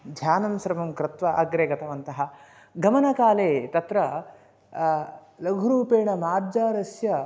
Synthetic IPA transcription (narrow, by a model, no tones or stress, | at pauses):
d̪ʱjaːnɐmsɾɐmɐmkɾɪt̪ʋɐʔɐɡɾeːɡɐt̪ɐʋɐnt̪ɐɦɐ | ɡɐmɐnɐkaːleːt̪ɐt̪ɾɐ | lɐɡʱuɾuːpeːɳɐmaːɾd͡ʒaːɾɐsjɐ